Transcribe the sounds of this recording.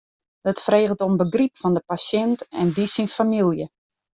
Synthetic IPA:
dətfreːɣəlˠtombəɡripfɔndəpasjɛntɛ̰ndisinfamilˠjə

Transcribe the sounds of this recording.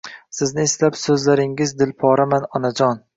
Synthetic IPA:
sɪznɪɪslapsɵzlaɾɪŋɪzd̪ɪlpʰɒɾamanɒnad͡ʒɒn

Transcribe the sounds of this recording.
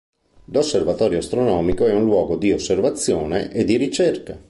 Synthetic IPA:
losːervat̪ɔːɾjoast̪ɾonɔːmikoɛunlwɔːɡod̪iosːervat̪sːjoːneʔed̪ːiɾit͡ʃerka

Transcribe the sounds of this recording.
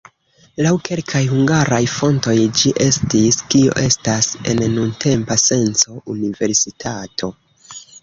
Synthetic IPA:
lawkʰe̞lkʰajhuŋɡaɾajfo̞nto̞jd͡ʒiʔe̞stiskio̰ʔe̞stase̞̰nnuntʰe̞mpase̞nt͡so̞unive̞ɾsitʰatʰo̞

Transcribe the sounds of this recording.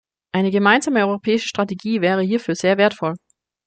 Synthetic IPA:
ʔaɪnəɡəmaɪnzaːməɔʏʁopʰɛːɪʃə̥ʃtʁ̥ateɡiːvɛːʁ̞əhiːɐfyːɐz̥eːɐveːɐtfɔl

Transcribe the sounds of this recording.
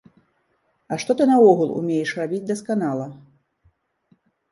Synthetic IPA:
ɐʂt̪ɔt̪ɨnɐɔɣulˠṵmʲejɛʂrabʲid͡zʲd̪ɐskanalˠɐ

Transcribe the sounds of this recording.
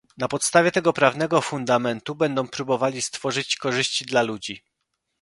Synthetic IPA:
napɔt̪st̪avʲɛt̪ɛɡɔpɾavnɛɡɔfund̪amɛnt̪ubɛnd̪ɔ̃w̃pɾubɔvalʲist̪fɔʐɘt͡ɕkɔʐɘɕt͡ɕid̪lalud͡ʑi

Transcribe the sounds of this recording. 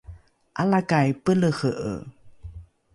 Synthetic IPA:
ʔalakajpələxəʔə̰

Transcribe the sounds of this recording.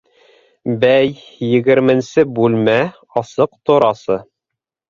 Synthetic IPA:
bæjjɘ̆ɡɘ̆ɾmɘ̆nsɘbʉlmæ | ɑsɤqt̪ŏɾɑsɤ

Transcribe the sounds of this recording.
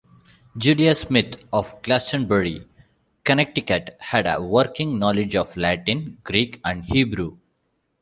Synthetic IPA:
d͡ʒuːliasmɪt̪ʰɔʋklæsʈə̃nbəɾḭ | kənɛk̚ʈikəʈhæɖə̰ʋəɾkɪ̃ŋnɔːlɪd͡ʒɔʋlæʈɪ̃nɡ̥ɾiːkæ̃ɳɖhiːbɾu

